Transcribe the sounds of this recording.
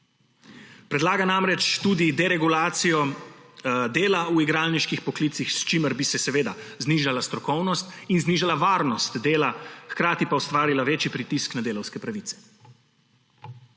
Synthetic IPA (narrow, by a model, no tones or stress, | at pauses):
pɾɛd̪laːɡanamɾɛt͡ʃt̪ud̪id̪ɛɾɛɡulaːt̪sijɔ | d̪eːlauiɡɾaːlniʃkixpɔklit̪sixst͡ʃiməɾbisɛsɛʋeːd̪azniʒalast̪ɾɔkɔwnɔst̪inzniːʒalaʋaːɾnɔst̪d̪eːlaxkɾaːt̪ipaust̪ʋaːɾilaʋeːt͡ʃipɾit̪isknad̪eːlɔwskɛpɾaʋit̪sɛ̥